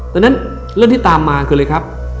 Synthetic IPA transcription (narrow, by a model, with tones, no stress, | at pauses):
t̪ɔː˧na˦˥n | ɾt̪iː˥˩t̪aː˧mːaː˧kʰɯː˧lɤː˧jkʰɾa˦˥p̚